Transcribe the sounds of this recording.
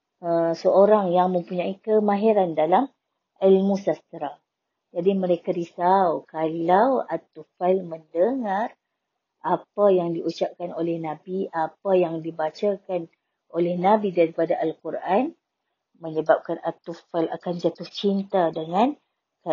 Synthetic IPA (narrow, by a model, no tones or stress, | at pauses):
əsəoɾaŋjaŋmə̃mpuɲãikəmãɦiɾandalam | ilmũsast̪əɾa | d͡ʒadimə̃ɾekaɾisawkalawat̪ufalməndəŋar | ʔapajaŋdiut͡ʃap̚kanolɛhnãbiʔapajaŋdibat͡ʃakan | ʔolɛhnabidaɾipadaʔalkurʔan | mə̃ɲəbap̚kanat̪ufala̰kand͡ʒat̪ʊht͡ʃint̪adəŋãn | ka